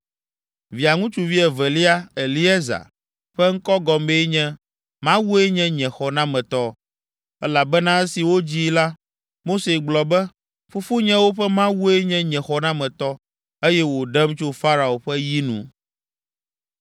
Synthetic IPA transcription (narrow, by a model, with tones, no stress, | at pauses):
vi˨a˨ŋũ˦t͡ʃu˨vi˦ɛ˨vɛ˨li˦a˦e˨li˦ɛ˦za̰˨ | ɸɛ˦ŋ̩˦kɔ˦ɡɔ˨mbe˦ɲɛ̃˦ | mã˦wu˦e˦ɲɛ̃˦ɲɛ̃˨xɔ˨nã˦mɛ̃˨t̪ɔ˦ | ɛ˦la˨bɛ˦nã˦ɛ˦si˨wo˦d͡ʑi˦la˦ | mo˦se˨ɡ͡blɔ˨bɛ˦ | fu˦fu˦ɲɛ̃˦wo˦ɸɛ˦mã˦wu˦e˦ɲɛ̃˦ɲɛ̃˨xɔ˨nã˦mɛ̃˨t̪ɔ˦ | e˦jɛ˦wo˨ɖɛ˦mt͡ʃo˦fa˦ɾa˨o˨ɸɛ˦ji˦nṵ̃˨